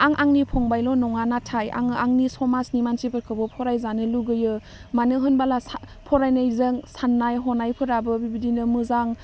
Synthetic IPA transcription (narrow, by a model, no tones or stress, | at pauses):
aŋʔaŋnipʰɔŋbajlɔnɔŋanatʰaja̰ŋaŋnisɔmasnimansipʰɯɾkʰɯbɯpʰɔɾajzanɯluɡɯjɯ | manɯɦɯnbalas | pʰɔɾajnajzɯŋsanːajɦɔnajpʰɯɾabɯbibidinɯmɯzaŋ